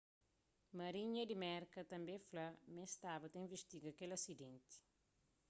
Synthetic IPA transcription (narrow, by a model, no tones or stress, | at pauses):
mɐɾiɲɐd̪imɛɾkɐt̪ɐ̃mbẽflɐmẽst̪abɐt̪ɐĩveʃt̪iɡɐkelɐsid̪ẽnt̪i̥